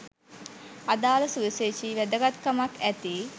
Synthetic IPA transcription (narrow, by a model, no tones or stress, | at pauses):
ad̪aːləsuʋiset͡ʃiʋæd̪əɡat̪kamakæt̪i